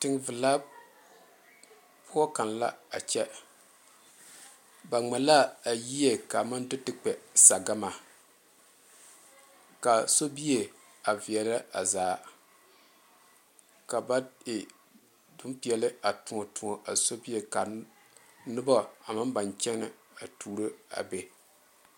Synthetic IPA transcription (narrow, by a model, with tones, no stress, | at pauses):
tɨ˨ŋ˦vɨ˨la˦ | pʊ˦ɔ˦ka˨nla̰˦a˨t͡ʃɛ˦ | ba˨ŋ͡mɛ˨la˦a˨ji˦je˦ka˨ma˦ndɨ˦tɨ˦k͡pɛ˨sa˨ɡa˦ma˨ | ka˨so˦bi˦e˨ | a˨vɪ˨ɛ˨la˦a̰˨zaː˨˦ | ka˨ba˦ɪ˨ | dʊ˦m˦pi˨ɛ˨lɨ˦a˨tʊ˨ŋɔ˨tʊ˨ŋɔ˨ʔa˨so˦bi˦e˨ka˨ | nɨ˦bɔ˦a˨ma˦m˦ba˨nt͡ʃɛ˦ŋ˦nɨ˨ | a˨tʰuː˨ɾɨ˦a̰˨be˨